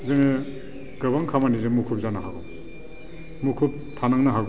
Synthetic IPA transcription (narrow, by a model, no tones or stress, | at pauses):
zeŋe | ɡɯβaŋkʰamanizemukʰup̚zanaɦaɡɔm | mukʰup̚tʰanaŋnaɦaɡ